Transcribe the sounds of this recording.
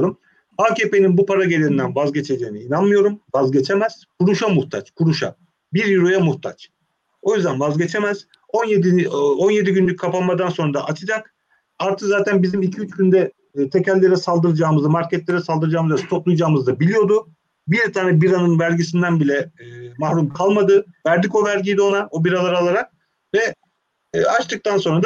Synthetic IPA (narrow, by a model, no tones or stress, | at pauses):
ɾum | aːcʰeːpe̞ninbupʰaɾaɟe̞lʲeind̪ænvazɟe̞t͡ʃʰe̞d͡ʒe̞ːniinanmɯjo̞ɾumvazɟe̞t͡ʃʰe̞mæz̥kʰuɾuʃamuxt̪ʰat͡ʃkʰuɾuʃa̰ | biɾjuɾojamuht̪ʰa̰t͡ʃ | o̞jyzd̪ænvazɟe̞t͡ʃʰe̞mæz̥ | o̞njed̪io̞nje̞d̪iɟynlʲycʲkʰːapanˠmad̪anso̞nɾd̪aʔat͡ʃʰɯd͡ʒak | aɾt̪ʰɯkzaːt̪ʰænbizimilcʰiyt͡ʃɟynd̪ɛ | t̪ʰe̞cʰælʲːe̞ɾɛsalˠd̪ɯɾɯd͡ʒaːmɯzɯmaɾcʰɛt̪lʲe̞ɾɛsalˠd̪ɯɾɯd͡ʒaːmɯzɛst̪ʰoplˠujd͡ʒaːmɯzd̪abilʲijo̞d̪ʊ | biɾt̪ʰaːnɛbiɾanɯnvæɾɟisind̪ænbilʲɛːmahɾumkʰalˠmad̪ɯvæɾd̪ico̞væɾɟijd̪io̞nao̞biɾalˠaɾalˠaɾak̚ | vɛː | at͡ʃt̪ʰɯk̚t̪anso̞nɾad̪